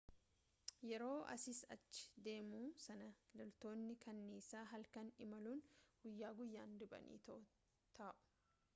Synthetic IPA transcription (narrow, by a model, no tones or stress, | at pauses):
jɛɾo̞ːʔɐ̰sɪsɐ̰t͡ʃːɪ̥d̪e̞ːmuːsɐnɐlɐlt̪o̞ːnːɪkɐnːeːsaːɦɐlkɐnɪmɐluːnɡ̥ʊjːaːɡʊjːaːnd̪ʊbɐ̰nḭːt̪ɐʔʊ | t̪ʰaːʔʊ̥